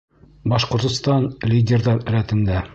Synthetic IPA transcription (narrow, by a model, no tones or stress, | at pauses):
bɒʃqŏɾt̪ŏst̪ɑnlʲɪdʲerðɑɾɾæt̪ɘ̆nd̪æ